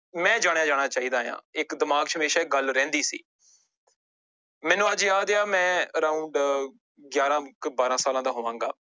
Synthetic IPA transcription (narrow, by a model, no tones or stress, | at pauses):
mɛ̃ːd͡ʒaːɽ̃jaːd͡ʒaːɽ̃aːt͡ʃaːiːd̪aːjã̰ːɪkd̪ɪmaːɡt͡ʃʰɦəmeːʃaːɪk̚ɡəlɾɛ̃ːnd̪iːsḭː | mɛ̃ːnũːəd͡ʒjaːd̪jaːmɛ̃ːəɾaːuɳɖ | ɡjaːɾãːkbaːɾãːsaːlãːd̪aːɦoːʋãːŋɡa̰ː